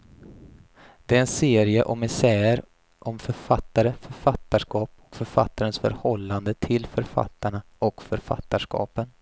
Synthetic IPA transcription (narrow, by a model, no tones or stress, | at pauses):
d̪̥ɛæɾɛnseːɾɪəʔɔmɪsæːɾ | ʔɔmfœɾfat̪ːaɾəfœɾfat̪ːaʂkɑːpɔ̥kfœɾfa̰t̪ːaɾənsfœ̰ɾhɔlːand̪ət̪ʰɪlfœɾfa̰t̪ːaɳa | ɔkfœɾfa̰t̪ːaʂkɑ̰ːpən